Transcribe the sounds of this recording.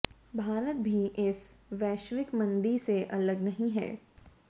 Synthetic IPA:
bʱaːɾət̪̚bʱiʔɪsʋɛːʃʋɪkmɐ̃nd̪iseʔɐləɡnɐɦĩɦɛ̰ː

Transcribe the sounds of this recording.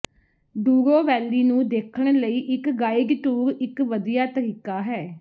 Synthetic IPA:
ɖuːɾoːʋɛːliːnũːd̪eːkʰəɳ̃ləiːʔɪkɡaːɪɡʈuːɾɪkʋəd̪ijaːt̪əɾiːkaːɦɛː

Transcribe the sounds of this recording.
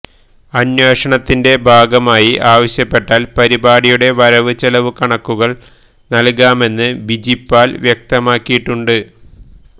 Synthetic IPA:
ɐnweːʂɐɳɐt̪ːinde̞bʱaːɡɐmaːjiʔaːʋɐɕjɐpːe̞ʈːaːlpɐɾibaːɽijuɽe̞ʋɐɾɐʋɨt͡ɕɐlɐʋɨkɐɳɐkːuɣɐɭ | nɐlkaːme̞nːɨbid͡ʑipːaːlʋjek̚t̪ɐmaːkːijiʈːuɳɖɨ

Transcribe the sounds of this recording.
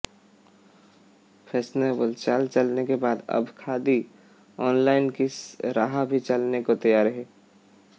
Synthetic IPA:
pʰɛːsneːbəlt͡ʃaːlt͡ʃəlnekebaːd̪ɐ̰bkʰaːd̪i | ɔːnlaːɪnkisɾaːɦabʱit͡ʃɐlnekot̪ɐjaːɾɦɛː

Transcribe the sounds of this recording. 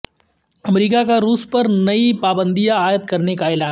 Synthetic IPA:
ɐmɾiːkakaɾuːspɐɾnɐipaːbə̃nd̪ijaaːjət̪̚kɐɾnekaeːlaːn

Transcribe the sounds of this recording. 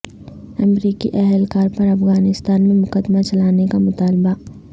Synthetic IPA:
ɐmɾiːkḭʔɛɦɛlkaːɾpɐɾɐfɣaːnɪst̪aːnmẽmʊkəd̪mat͡ʃɐlaːnekamʊt̪aːlba

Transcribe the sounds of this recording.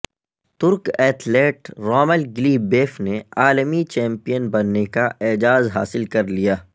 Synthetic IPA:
t̪ʊɾkɛːt̪ʰleːʈɾɔːməlɡɪliːbeːfneaːlmit͡ʃɛ̃ːmpijənbɐnːekaʔeːd͡ʒaːzɦa̰ːsɪlkɐɾlijaː

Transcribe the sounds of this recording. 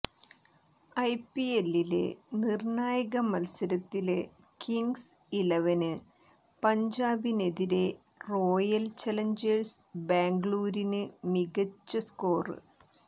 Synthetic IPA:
ɐjpːielːile̞̰nirɳaːjɐɣɐmɐlsɐɾɐt̪ːile | kiŋɡsileʋɐnɨ | pɐɲd͡ʑaːbine̞ðiɾe̞ | roːjɐlt͡ɕɐlɐɲd͡ʑɐrsbaːŋɡɭuːɾinɨmiɣɐt͡ɕːɐsko̞ːrɨ̰

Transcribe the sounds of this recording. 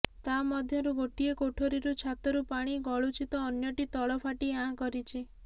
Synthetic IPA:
t̪amɔd̪ʱjɔɾuɡoʈiekoʈʰoɾiɾut͡ʃʰat̪ɔɾupaɽ̃iɡɔɭut͡ʃit̪ɔːnjɔʈit̪ɔɭɔpʰaʈiɦãkɔɾit͡ʃʰi

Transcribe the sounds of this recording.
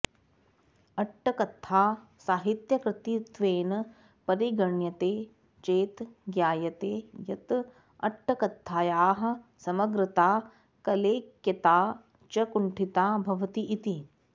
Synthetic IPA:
ɐʈʰːɐkɐt̪ʰːaː | saːɦit̪jɐkɾɪt̪it̪ʋeːnɐ | pɐɾiɡɐɳjɐt̪eː | t͡ʃeːt̪ɡjaːjɐt̪eːjɐt̪ | ɐ̰ʈʰːɐkɐt̪ʰːaːjaːɦɐ̆sɐmɐɡɾɪt̪aː | kɐleːkjɐt̪aː | t͡ʃɐkuɳʈʰit̪aːbʱɐʋɐt̪iʔit̪i

